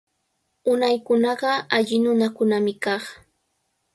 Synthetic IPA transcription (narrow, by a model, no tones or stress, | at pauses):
ʊnajkʊnɑɢɑaʎɪnʊnakʊnamɪkɑχ